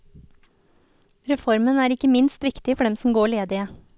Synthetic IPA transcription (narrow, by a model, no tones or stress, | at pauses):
ɾɛfɔɾmənæːɾɪkəmɪnst̪ʋɪkt̪ɪfɔɖɛmsm̩ɡoːɭeːd̪ɪə